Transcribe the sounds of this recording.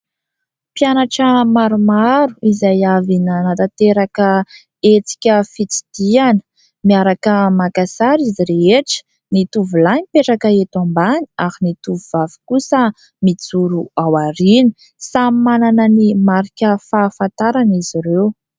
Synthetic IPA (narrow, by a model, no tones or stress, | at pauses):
pjanaʈ͡ʂəmaɾumaɾuizajavinanat̪at̪eɾakə | et͡si̥kʲəfit͡si̥d̪̥ianə̥ | miaɾakəmakasaɾiziɾeeʈ͡ʂə̥ | nit̪uvulanipeʈ͡ʂakəet̪ambani̥ahinit̪uvuvavi̥kusə | mit͡suɾuawaɾini̥ | sammananənimaɾikʲəfaːfant̪aɾaniziɾew